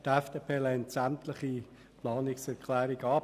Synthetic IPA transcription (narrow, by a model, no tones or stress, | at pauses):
t̪ɛfd̥eːpʰeːlɛntsæmtlɪχi | plɑːnɪksɛʁkʰlɛːɾiɡɑː